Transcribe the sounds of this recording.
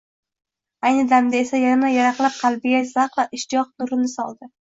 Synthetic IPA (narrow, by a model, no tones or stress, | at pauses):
ajnɪd̪amd̪ae̞sajaɾmajaɾaqlˠap̚qʰɑlˠbɪɡazaqvaʔɪʃt̪ɪjɒq̚nʊɾɪnɪsɒ̰lˠd̪ɪ